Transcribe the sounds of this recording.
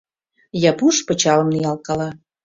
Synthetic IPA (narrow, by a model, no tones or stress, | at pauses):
jɑpuʃpə̆t͡ɕɑlə̆mnijɑlkɑlɑ